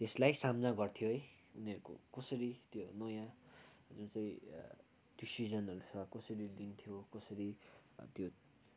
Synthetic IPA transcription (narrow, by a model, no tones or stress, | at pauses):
t̪eslajsamnaɡʌrt̪ʰjoɦʌj | uniʌɾuko̰kʌsʌɾit̪jonʌjã | d͡zunt͡saĩ | d̥isizʌnʌɾut͡sʰʌkʌsʌɾid̪int̪ʰjokʌsʌɾi | t̪jo